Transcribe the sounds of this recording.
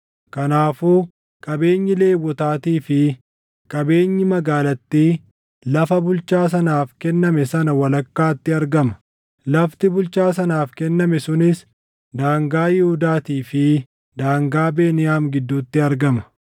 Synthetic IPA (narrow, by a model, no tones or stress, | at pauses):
kɐnaːfuː | kʼɐbe̞ːɲːɪle̞ːwːɔt̪aːt̪iːfɪ | kʼɐbe̞ːɲːɪmɐɡaːlɐt̪ːiː | lɐfɐbʊlt͡ʃaːs̬ɐnaːfkɛnːɐmɛsɐnɐwɐlɐkːaːt̪ːɪɐɾɡɐmɐ̥ | lɐft̪ɪbʊlt͡ʃaːs̬ɐnaːfkɛnːɐmɛsʊnɪs | d̪aːŋɡaːjɪhʊd̪aːt̪iːfɪ | d̪aːŋɡaːbe̞ːnɪjaːmɡɪd̪ːuːt̪ːɪɐɾɡɐmɐ̥